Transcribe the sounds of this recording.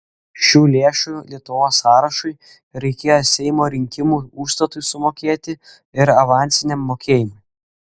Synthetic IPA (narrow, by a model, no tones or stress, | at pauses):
ʃʲuːlʲeːʃuːlʲiɛt̪ʊʋoːsːɑːɾɐʃʊɪ | ɾɐɪkʲeːjosʲɛɪmoːɾʲɪŋʲkʲɪmuːuːʃst̪ɐt̪ʊjsʊmoːkʲeːt̪ʲɪ | ɪɾɐʋɑˑnʲt̪sʲɪnʲɛmːoːkʲeːjɪmʊj